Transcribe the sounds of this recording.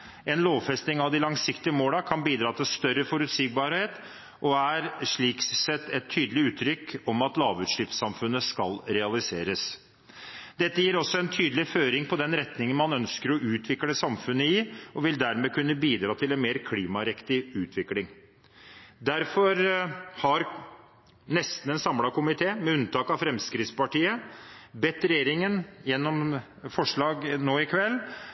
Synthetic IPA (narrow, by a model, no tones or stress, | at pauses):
ɛnloːʋfɛst̪nɪŋɑʋd̪ɪlɑŋsɪkt̪ɪəmoːlɑkʰɑnbiːd̪ɾɑːt̪ʰɪlst̪œɾəfɔɾʉt̪siːk̚bɑɾheːt̪ | ʔɔæɾʂɭiːksɛt̪ːɛt̪ʰːyːd̪əlɪʉːt̪ʰːɾʏkːɔmɑt̪lɑːʋʉːt̪ʂʏːpsɑmfʉnːəskɑlɾɛɑlɪseːɾəs | d̪ɛt̪ːəjiːɾɔsːɔɛnt̪ʰyːd̪əlɪføːɾɪŋpʰɔd̪ɛnɾɛt̪nɪŋənmɑnœnskəɾɔʔʉːt̪ʰʋɪkləsɑmfʉnːəɪɔʋɪld̪æɾmeːkʉnːəbiːd̪ɾɑːt̪ʰɪlɛnmeːɾkʰliːmɑɾɛkt̪ɪʉːt̪ʰʋɪklɪŋ | d̪æɾfɔɾhɑɾ | nɛst̪n̩ɛnsɑmlɑkʊmɪt̪ʰeːmɛʉnt̪ʰɑːkɑfɾɛmskɾɪt̪spɑʈiːəbɛt̪ːɾɛjeːɾɪŋənjɛnːɔm | fɔʂɭɑːɡnoːɪkʰʋɛlː